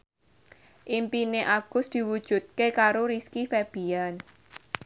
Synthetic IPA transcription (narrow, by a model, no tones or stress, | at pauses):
ʔimpineʔaɡ̥ʊ̤sd̪̥i̤wud̥ʒ̥ṳt̪̚kekaɾoɾiskifeb̥i̤an